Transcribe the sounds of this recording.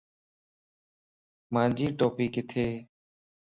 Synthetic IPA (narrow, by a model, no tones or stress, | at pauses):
mãːd͡ʒiːʈoːpiːkɪt̪ʰeː